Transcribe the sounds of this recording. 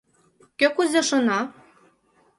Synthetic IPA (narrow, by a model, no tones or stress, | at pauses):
køkuzʲĕʃɤ̆nɑ